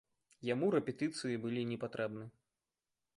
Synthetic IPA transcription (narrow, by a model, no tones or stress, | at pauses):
jamuɾɛpʲɛt̪ɨt̪sɨjibɨlʲinʲɛpat̪ɾʔɛbnɨ